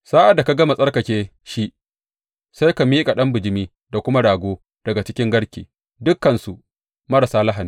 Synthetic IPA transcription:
saː˦ʔa˨da˨ka˨ɡɐ˦ma˨sʼɐ˦rkɐ˨kʲeː˦ | ʃi˦ | sa˦jka˨miː˦kʼa˨ɗɐ˦mbʊ˨d͡ʒɪ˦miː˦ | da˨kʷʊ˦ma˦ɽaː˨ɡʷoː˦ | d̥ɐ˨ɡa˨t͡ʃɪ˦kʲɪ˦ŋɡɐ˦ɽkʲeː˨ | dʊ˦kːɐ˨nsu˨ʔ | mɐ˦ɽa˨saː˦lɐ˦ɦa˨ni˨˦

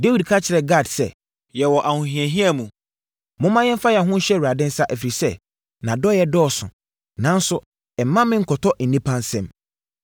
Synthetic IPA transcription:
de˦wi˨dkʰa˦t͡ɕʰɪ˨ɾɛ˨ɡa˦˨dsɛ̰˦ | jɛ˨wɔ˨ʔa˨hʊ̃˨ɦĩ˨ɛ̃˨ɦĩ˦a˦˨mũ˨ | mʊ̃˦mã˦jɛ˦m̩˦fa˦jɛ˨ɦʊ̃˦ɕɛ˦wu˨ɾa˨dɪ̃˦n̩˦sa˦ʔɛ˨fi˨ɾi˨sɛ˦ | nã˨dɔ˦jɛ˨˦dɔː˦˨sʊ̰̃˨ | nã˨˦n̩˦sʊ˦ | ɛ˨mã˦mɪ̃˦ŋ̩˨kʰɔ˨tʰɔ˦ʔn̩˨nĩ˦pʰã˦nsɛ̃˦m

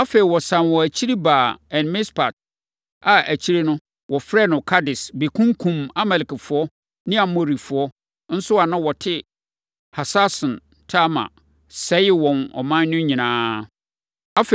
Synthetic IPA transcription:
a˦fe˨i˨wɔ˨sã˨nwɔ˨æ˨t͡ɕʰi˦ɾi˦baː˨ɛ̃˨nmɪ̃˦spʰa˨t̚ | a˨ʔæ˨t͡ɕʰi˦ɾe˦nʊ̃˦ | wɔ˨fɾɛ˦˨nʊ̃˨kʰa˦dɪ˨sbi˨kʰũ˦ŋ˦kʰũ˨ma˦mɛ˨lɪ˨kɪ˨fʊ˨˦ɔ˦ | nɪ̃˦a˨mõ˨ɾi˨fʊ˨ɔ˦ | n̩˦sʊ˦a˨nã˦wɔ˨tʰɪ˦ | ha˨sa˦sʊ̃˨n | tʰa˦mã̰˨ | sɛ˦jɪ˦wɔ̃˨nɔ̰˨mã˦nːʊ̃˦ɲĩ˨nãː˦ | a˦fe˨

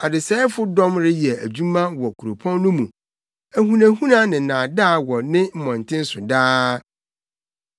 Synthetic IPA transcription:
a˨dɪ˨sɛː˦fʊ˦dɔ̃˦mɾɪ˦jɛ˨æ˨d͡ʑu˦mã˦wɔ˨kʰu˨ɾo˨pʰɔ̃˦nːʊ̃˦mũ˨ | æ˨ɦũ˨næ̃˨hũ˦nã˦nɪ̃˨n̩˨nãː˨da˦˨wɔ˨nɪ̃˦m̩˦mɔ̃˨n˨tʰɪ̃˦n̩˦sʊ˨daː˦

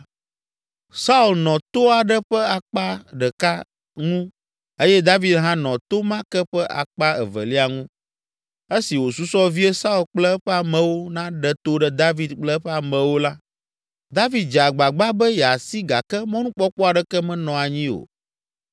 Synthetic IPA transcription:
sa˦u˦˨lnɔ̃˨t̪o˦a˨ɖɛ˦ɸɛ˦a˨k͡pa˦ɖɛ˨ka˦ | ŋũ˦ | e˦jɛ˦d̪a˦vi˨d̪ɦã˦nɔ̃˨t̪o˦mã˦kɛ˦ɸɛ˦ʔa̰˨k͡pa˦ɛ̰˨və̰˨li˦a˨ŋũ˦ | e˦si˨wo˨su˦sɔ˦vi˦ɛ˦sa˦u˦˨lk͡plɛ˦ɸɛ˦a˨mɛ̃˨wo˦nã˦ɖɛ˨t̪o˦ɖɛ˦d̪a˦vi˨d̪k͡plɛ˦ɸɛ˦a˨mɛ̃˨wo˦la˦ | d̪a˦vi˨˦d̪̚d͡ʒa˨ɡ͡ba˨ɡ͡ba˦bɛ˦jɛ˨a˨si˦ɡa˨kɛ˦mɔ̃˦nũ˦k͡pɔ˦k͡pɔ˦a˨ɖɛ˨kɛ˦mɛ̃˦nɔ̃˨a˨ɲĩ˦o̰˨

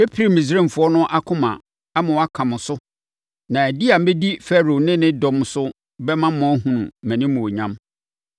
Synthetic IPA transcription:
e˦pʰi˨ɾi˨mĩ˨s̬ɾẽ˦m˨fʊ˨˦ɔ˦nʊ̃˦ʔa˦kʰʊ̃˦mã̰˨ | a˦mã˨wa˦kʰã˨mʊ̃˨sʊ˦ | nã˨æ˨di˦a˨m̩˦be˦di˦fɛ˦ɾo˨nɪ̃˦nɪ̃˦dɔ̃˨m˦sʊ˦ | bɛ˦mã˦mʊ̃˨˦ɦũ˨nṵ̃˨mæ̃˨nɪ̃˦mʊ̃˨o˨ɲã˦m

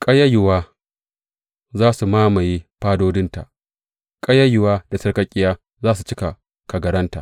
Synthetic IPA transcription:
kʼɐ˦jɐ˦jɪ˨waː˦ | zaː˦su˨maː˦ma˨jiː˦ɸaː˦doː˦dɪ˦nta̰˨ʔ | kʼɐ˦jɐ˦jʊ˨waː˦da˨sɐ˦rkɐ˦kʲʼɪ˦jaː˦ | zaː˦su˨t͡ʃɪ˦ka˨ | ka˨ɡɐ˨ɽɐ˦nta̰˨ʔ

